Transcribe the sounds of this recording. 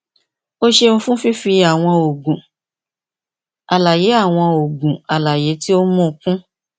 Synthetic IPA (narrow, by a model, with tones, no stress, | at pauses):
o˦ʃe˧ũ˧fũ˦fi˦fi˧a˨w̃ɔ̃˧o˨ɡũ˨ | a˨la˨je˨˦a˦˨w̃ɔ̃˧o˨ɡũ˨a˨la˨je˨˦ti˦o˦mɔ̃˦˧kũ˦